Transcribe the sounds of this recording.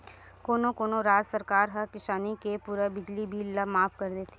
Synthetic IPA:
koːnõkoːnoɾaːd͡ʒsɐɾkaːɾɦɐkɪʃaːnikepuːɾabɪd͡ʒlibiːlːɐmaːfkɐɾd̪eːt̪e̥

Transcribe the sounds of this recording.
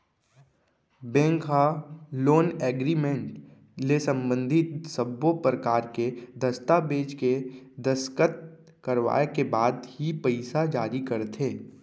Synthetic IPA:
bɛ̃ːŋkɦaloːnɛːɡɾimẽɳʈ | lesə̃mbə̃nd̪ʱɪt̪səbːopɾəkaːɾked̪ɐst̪abeːd͡ʒked̪əskət̪̚ | kəɾʋa̰ːekebaːd̪hipɛɪsad͡ʒaːɾikɐɾt̪ʰeː

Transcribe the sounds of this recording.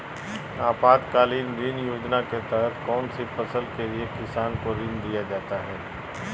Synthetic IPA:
aːpaːd̪kaːliːnɾinjoːd͡ʒnaket̪ɛɦət̪ʰkɔːnsipɐsəlkeliekɪsaːnkoɾiːnd̪ijad͡ʒaːt̪aɦɛː

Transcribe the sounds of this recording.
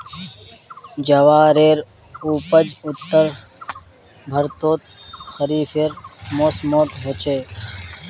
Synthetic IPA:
d͡ʒɐʋaːɾeːɾ | uːpəd͡ʒʊt̪ːəɾ | bʱəɾt̪oːt̪̚xəɾiːfeːɾmoːsmoːt̪ɦot͡ʃeː

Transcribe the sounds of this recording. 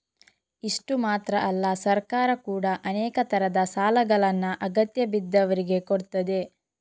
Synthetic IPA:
iʂʈumaːt̪ɾɐʔɐlːɐsɐɾkaːɾɐkuːɽɐʔɐnɛːkɐt̪ɐɾɐd̪ɐsaːlɐɡɐɭɐnːuʔɐɡɐt̪jɐbid̪ːɐʋɐɾiɡe̞koɽt̪ɐd̪e̞

